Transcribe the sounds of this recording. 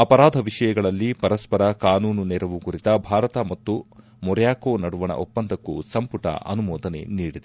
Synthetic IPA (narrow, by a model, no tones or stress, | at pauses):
ɐpɐɾaːd̪ʱɐʋiʂɐjɐɡɐɭɐlːipɐɾɐspɐɾɐkaːnuːnunɛɾɐʋukuɾit̪ɐbʱaːɾɐt̪ɐmɐt̪ːu | mɔɾjaːkoːnɐɽuʋɐnɐ̰ʔopːɐnd̪ʱɐkːusɐmpuʈɐ̰ʔɐ̰numɔːd̪ɐne̞̰niːɽid̪e